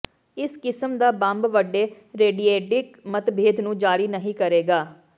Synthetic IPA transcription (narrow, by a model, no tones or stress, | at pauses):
ɪskɪsəmd̪aːbãmbʋəɖːeː | ɾeːɖiːeːʈɪkmət̪bʱeːd̪nũːd͡ʒaːɾiːnəɦĩːkəɾeːɡaː